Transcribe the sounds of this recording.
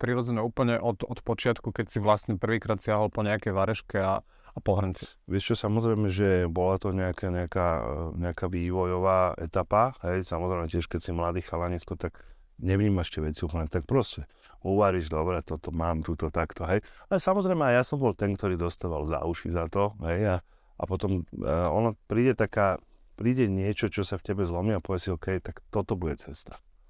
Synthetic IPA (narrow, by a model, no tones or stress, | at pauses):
pɾiɾɔd͡zɛɲɛuːpl̩ɲɛʔɔt̪ɔt̪pɔt͡ʃɪat̪kukɛcsiʋlasɲɛpr̩ʋiːkɾaːt̪sɪaɦɔlpɔɲɛakɛjʋaɾɛʃkɛaː | pɔɦɾɲt͡sɛʋɪɛʃt͡ʃɔsamɔzɾɛjmɛʒɛbɔlat̪ɔɲɛakɛɲɛakaːɲɛakaːʋiːʋɔjɔʋaːɛ̰t̪apaɦɛjsamɔzɾɛɪmɛcɪɛʃkɛcsimlad̪iːxalaɲiskɔt̪aɡ | ɲɛʋɲiːmaʃcɛʋɛt͡siupl̩ɲɛt̪ak̚pɾɔscɛ | uʋaɾiʒd̪ɔbɾɛat̪ɔt̪ɔmaːmt̪uːt̪ɔt̪akt̪ɔɦɛjalɛsamɔzɾɛjmɛajjasɔmbɔlt̪ɛnkt̪ɔɾiːd̪ɔst̪aːʋalza̰uʃḭzat̪ɔɦɛja | ʔa̰pɔt̪ɔmɔnapɾiːɟɛt̪akaː | pɾiːɟɛɲɪɛt͡ʃɔt͡ʃɔsafcɛbɛzlɔmiapɔʋjɛsiɔkɛjt̪akt̪ɔt̪ɔbuɟɛt͡sɛst̪ḁ